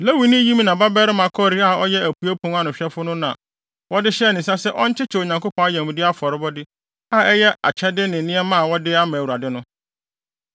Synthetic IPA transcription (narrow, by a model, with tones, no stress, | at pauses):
la˦wi˨nɪ̃˦jĩ˦m˦nã˨ba˦bɛ˦ɾɪ˦mã˨kʰɔ˦˨ɾi˦a˦ɔ˦jɛ˦æ˨pʰu˨˦e˦pʰʊ̃˦ŋ˦a˦nʊ̃˨ɕᶣɛ˦fʊ˦nʊ̃˦nã˨ | wɔ˦dɪ˦ɕɛ˦˨nɪ̃˨sa˦sɛ˦ʔɔ˦ɲ˦t͡ɕʰɪ˦t͡ɕʰɪ˨o˨ɲã˨ŋko˦pʰɔ̃˦a˦jɛ̃˨mũ˨dɪ˦a˦fɔ˨ɾɪ˦bɔ˦dɪ˦ | a˦˨ɛ˦jɛ˦ʔa̰˨t͡ɕʰɛ˦dɪ˦nɪ̃˨˦nɪ̃˦ɛ˦mã˦˨wɔ˦dɪ˦a˦mã˨u˨ɾa˨dɪ˦nʊ̃˦